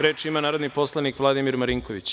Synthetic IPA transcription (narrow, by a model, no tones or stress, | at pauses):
ɾeːt͡ʂimanaːɾod̪nipo̞slˠanikʋlˠad̪imiɾmaɾiŋko̞ʋit͡ɕ